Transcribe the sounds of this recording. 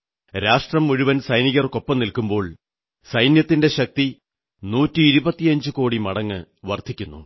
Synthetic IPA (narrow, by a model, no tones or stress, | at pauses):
ɾaːʂʈrɐmːuɻuʋɐnsɐjniɣɐrko̞pːɐmnilkumbo̞ːɭ | sɐjnjɐt̪ːinde̞ɕɐk̚t̪i | nuːtːɨːɾubɐt̪ːijɐɲd͡ʑɨko̞ːɽimɐɽɐŋːɨ | ʋɐrd̪ʱikʲːunːṵ